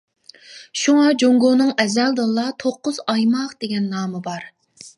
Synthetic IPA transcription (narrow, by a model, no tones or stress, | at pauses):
ʃuŋɑd͡ʒoŋɡonɨŋɛzɛld̪ɨlˠːɑt̪ʰoqːʊzɑjmɑqd̪̥eɡʲɛnːɑːmɨbɑɾ